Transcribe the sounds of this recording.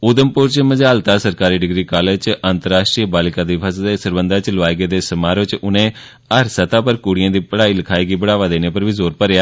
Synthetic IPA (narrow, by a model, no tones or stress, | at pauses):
ʊd̪əmpʊɾt͡ʃməd͡ʒaːlt̪aːsəɾkaːɾiːɖɪɡɾiːkaːled͡ʒt͡ʃʔãːnt̪əɾaːsʃʈɾiːbaːlɪkãːd̪iːpʰəsd̪eːsəɾbənd̪aːt͡ʃləʋaːjɡeːd̪eːsəmaːɾʋɪt͡ʃʊnẽː | əɾsət̪aːpəɾkuːɽɪjãːd̪iːpəɽaːiːləkʰaːiːɡiːbəɽaːʋaːd̪eːneːpəɾʋiːzoːɾpəɾɪjaː